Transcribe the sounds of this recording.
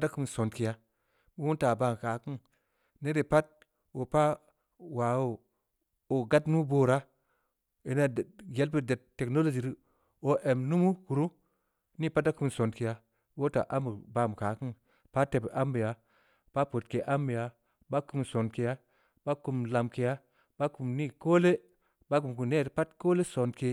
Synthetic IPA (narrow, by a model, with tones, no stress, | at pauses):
da˦ku˦m˨so˨nki˨ja˦ | bi˦wu˦nta˨ba˨m˨ka˨ki˦ŋ | ne˦ɾe˨pa˦t̚ | o˨pa˦ | wa˨wo˦ | o˨ɡa˦tnu˦boː˦ɾa˦ | i˨na˦˨ɡe˨˦lpi˦˨de˨tːe˨kno˦lo˨d͡ʒi˨ɾi˦ | o˨ʔe˨mnu˦mu˦ku˨ɾu˦ | ni˦pa˦t̬a˦ku˨mso˨nke˨ja˨ | wo˦ta̰˨ʔa˦mbə˨ba˨m˨ka˨ki˦ŋ | pa˦te˨pʔa˦mbi˨ja˨ | pa˦po˨t̚ke˨ʔa˦mbi˨ja˨ | ba˦ku˦˨mso˨nke˨ja˦ | ba˦ku˨mla˨mke˨ja˦ | b̥a˦ku˨mni˦koː˦le˦ | ba˦ku˨mku˨mne˦˨tpa˦tkoː˦le˦so˨nke˦